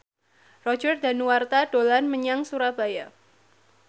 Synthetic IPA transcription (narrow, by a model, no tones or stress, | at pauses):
rɔd͡ʒərdanuwart̪ad̥olanməɲaŋsuɾab̥aja